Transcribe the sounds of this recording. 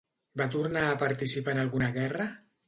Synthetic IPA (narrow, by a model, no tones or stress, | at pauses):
bat̪̬uɾnaːpaɾt̪isipaənalˠɣunaɣɛra